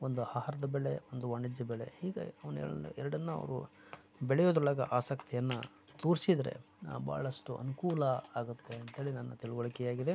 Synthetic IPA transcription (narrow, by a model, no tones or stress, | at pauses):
ond̪uhaːɦaɾɐd̪ɐbɛɭe̞ond̪uʋɐɳid͡ʒɐbɛɭe̞̰hiːɡḛɐʋɐnɛ̰ɐṵɛɾɐɽɐnːuɐ̰ʋɐ̰ɾṵ | bɛɭɛjoːd̪ɾulaːɡɐ̰ʔaːsɐkt̪ʰijɐnːɐ | t̪uːɾsid̪ɐɾe̞̰ | ba̰ːɭɐsʂʈuʔɐ̰nukuːlɐaːɡut̪ːe̞ɐnt̪ɐɦeːɭinɐnːɐt̪iɭuɡoɭikɛjaːɡid̪e̞